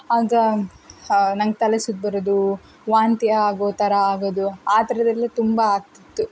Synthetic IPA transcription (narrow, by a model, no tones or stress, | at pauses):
aːɡɐ | nɐŋɡt̪ɐlɐsud̪̚bɐɾod̪u | ʋaːnt̪iɐaːɡot̪ɐɾɐaːɡoːd̪uaːt̪ɐɾɐd̪ɐlːit̪umbɐːɡ̚t̪it̪ːu